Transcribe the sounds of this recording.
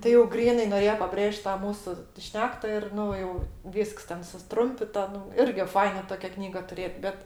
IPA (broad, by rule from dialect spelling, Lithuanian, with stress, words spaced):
tʲɪ jɛʊ ˈɡrʲiːnɐɪ noːˈrʲeːjoː pɐˈbʲrʲeːʃt ˈtɑː ˈmuːsʊ ˈʃʲnʲæːktɐ ɪr ˈnʊ jɛʊ ˈʋʲiːsks ˈtʲɛn sʊsˈtrʊmʲpʲɪtɐ ˈnʊ ˈɪrʲɡʲɪ ˈfɐɪnɐ ˈtoːkʲɛ ˈknʲiːɡɐ tʊˈrʲeːt ˈbʲɛt